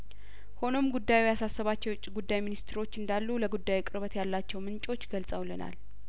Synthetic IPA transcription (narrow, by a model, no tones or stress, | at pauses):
ho̞no̞mɡud̪ːajujasasːəβat͡ʃːɛjwʊt͡ʃʼːiɡud̪ːajminist̪ʰɾo̞t͡ʃːɨnd̪alːuləɡud̪ːajkʼɨɾβət̪jalːat͡ʃːɛwmɨnt͡ʃʼo̞t͡ʃːɡəlsʼəwləna̰l